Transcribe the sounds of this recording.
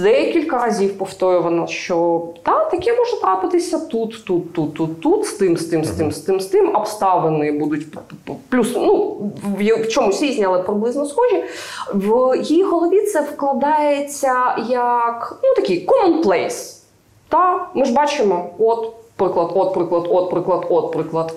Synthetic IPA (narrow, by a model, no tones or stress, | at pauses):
d̪ɛkʲilʲkɐɾɐzʲiwpɔft̪ɔjʊʋɐnɐʃt͡ʃɔd̪ɑt̪ɐkʲɛmɔʒɛt̪ɾɑpɪt̪ɪsʲɐt̪ut̪ːut̪ːut̪ːut̪ːut̪st̪ɪmst̪ɪmst̪ɪmst̪ɪmst̪ɪmɐpst̪ɑʋenɪbud̪ʊtʲ | plʲusnujft͡ʃɔmusʲizʲnʲiɐlˠɛpɾɪblˠɪznɔsxɔʒʲiwjijiɣɔlˠɔʋʲit̪sɛwklˠɐd̪ɑjet͡sʲːɐjɐknut̪ɐkʲɪjkɔmɔnplˠɛjs | t̪ɑmɪʒbɑt͡ʃɪmɔɔt̪pɾɪklˠɐd̪ɔt̪̚pɾɪklˠɐd̪ɔt̪̚pɾɪklˠɐd̪ɔt̪̚pɾɪklˠɐd̪